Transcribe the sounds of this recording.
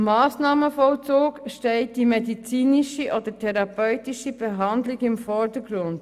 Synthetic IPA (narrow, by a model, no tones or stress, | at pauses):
mɑːsnɑːməfɔlt͡soːkʃtɛɪt̚d̥imɛdit͡siːniʃiʔɔd̥̪ətʰɛɾɑpœʏtiʃib̥eɦɑndlɪɡɪmfɔɾdəɡɾʊnd̥